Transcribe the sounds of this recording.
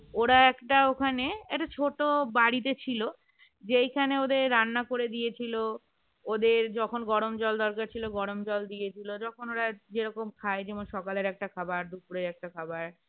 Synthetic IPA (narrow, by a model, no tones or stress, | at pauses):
oɾaɛkʈaokʰaneeʈat͡ɕʰoʈobaɽit̪et͡ɕʰilo | d͡ʑejkʰaneod̪eɾːanːakoɾed̪ijet͡ɕʰilo | od̪eɾd͡ʑɔkʰonɡɔɾomd͡ʑɔld̪ɔɾkaɾt͡ɕʰiloɡɔɽomd͡ʑɔld̪ijet͡ɕʰilod͡ʑɔkʰonoɾad͡ʑeɾɔkomkʰaed͡ʑemoʃɔkaleɾɛk̚ʈakʰabaɾd̪upuɾeɾɛk̚ʈakʰabaɾ